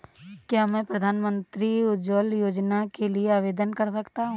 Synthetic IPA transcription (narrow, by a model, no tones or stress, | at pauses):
kjaːmɛ̃ːpɾɐd̪ʱaːnmə̃nt̪ɾiʊd͡ʒoljoːd͡ʒnakelieaːʋeːd̪ənkɐɾsɐkt̪aɦũ